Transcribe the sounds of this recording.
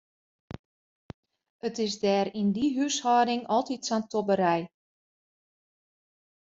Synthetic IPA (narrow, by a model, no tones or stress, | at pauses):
ətɪsdɛːɾindiɦyshɔːdɪŋɔlˠtitsantʰobəɾɛj